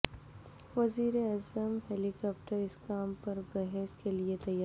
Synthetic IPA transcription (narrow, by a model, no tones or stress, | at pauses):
ʋɐziːɾeazəmɦeːlikɔːpʈəɾɪskaːmpɐɾbɛɦɛskeliet̪ɐja